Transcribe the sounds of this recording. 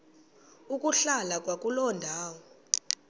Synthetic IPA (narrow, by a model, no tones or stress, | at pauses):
ukʼuɬalakʼwak̬ʼulɔndʱaːwɔ